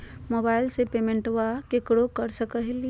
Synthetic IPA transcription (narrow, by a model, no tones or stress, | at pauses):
mobaːɪlsepemẽɳʈʋakekɽokəɾsəkəɦil